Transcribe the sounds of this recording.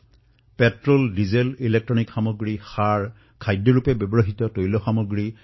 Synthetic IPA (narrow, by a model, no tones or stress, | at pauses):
pɛtɹoldizelilek̚tɹɔnikxamoɡɹixaɹ | kʰajdːɔɹupɛbebɔɹoɦitɔtojlɔxamoɡɹi